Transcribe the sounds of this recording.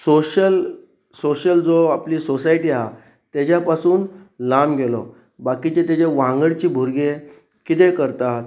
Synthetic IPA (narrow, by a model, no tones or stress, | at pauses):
soɕəl | soɕəld͡zoapliːsosaiʈiːaɦa | t̪jad͡ʑjapasuːnlamɡʱelɔ | bakit͡ɕet̪et͡ɕeʋãŋɡəɽt͡ɕiːbʱuɾɡe | kit̪ekəɾt̪at̪